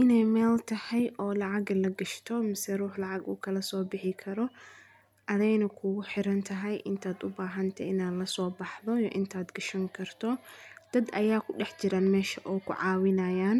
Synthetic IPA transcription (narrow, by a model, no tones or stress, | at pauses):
ʔɪnɛjmɛːlt̪ʰɐhɛjʔɔːlɑʕɑɡlɐɡɐʃt̪ʰɔmɪsɛruːħlɑʕɑɡṵːkʰɐlɐsɔːbɪħɪkʰɐɾɔ | ʔɐðɛjnɐkʰʊɣʊħɪɾɐnt̪ʰɐɦɐjʔɪnt̪ʰaːd̪ʊbaːɦɐnt̪ʰɐʔɪnaːd̪lɐsɔːbɑħðɔjɔʔɪnt̪ʰaːd̪ɡɐʃɐŋkʰɐrt̪ʰɔd̪̥ɐd̪ʔɐjaːkʰʊɖɛħt͡ʃɪɾaːnmɛːʃɐʔɔːkʰʊ̰ʕɑːwɪnɐjaːn